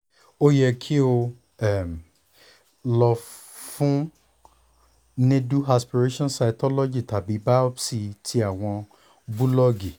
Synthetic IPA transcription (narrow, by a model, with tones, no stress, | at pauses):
o˦jɛ˧kʰi˦o˧ | ɛ˦˨m˨ | lɔ˧ | fũ˦ | nẽ˦du˦a˧spi˨ɾe˦ʃɔ̃˦nsa˧i˨kɔ˦lɔ˦d͡ʒi˨ta˨bi˨˦ba˦ɔ˦bsi˧tʰi˦a˦˨w̃ɔ̃˧ | bu˦lɔ˦ɡi˨